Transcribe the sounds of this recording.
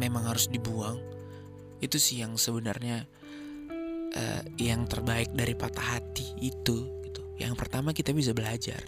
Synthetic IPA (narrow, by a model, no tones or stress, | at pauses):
memaŋhaɾʊsdibuaŋ | it̪usɪhjaŋsəbənarɲa | ʔə̰jaŋt̪ərbaɪk̚daɾipat̪ahat̪iːt̪uɡit̪uja̰ŋpərt̪amakit̪abis̬abəlad͡ʒa̰r